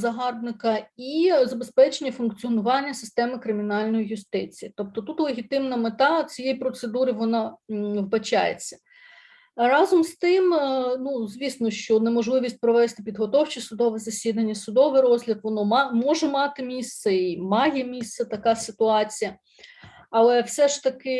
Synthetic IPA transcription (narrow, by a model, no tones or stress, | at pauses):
zɐɦɑrbnɪkɐizɐbespɛt͡ʃenʲːɐfʊnkt͡sʲiɔnʊʋɑnʲːɐsɪ̥st̪ɛmɪkɾɪmʲinɑlʲnɔjijʊst̪ɪt͡sʲijit̪ɔp̚t̪ɔt̪ut̪lˠeɦʲit̪ɪmnɐmet̪ɑt͡sʲijejpɾɔt̪sed̪uɾɪʋɔnɑʋbɐt͡ʃɑ̰jḛt͡sʲːɐ̥ | rɑzɔmst̪ɪmnuzʋʲisnɔʃt͡ʃɔnemɔʒlˠɪʋʲisʲt̚ʲpɾɔʋɛst̪ɪpʲid̪ɦɔt̪ɔwt͡ʃisʊd̪ɔʋɛzɐsʲid̪ɐnʲːɐsʊd̪ɔʋɪɾɔzlʲɐd̪ʋɔnɔmɑmɔʒɛmɑt̪ɪmʲist̪sɛimɑjɛmʲist̪sɐt̪ɐkɑsɪt̪ʊɑt͡sʲijɐ | ɐlˠɛwsɛʃt̪ɐkɪ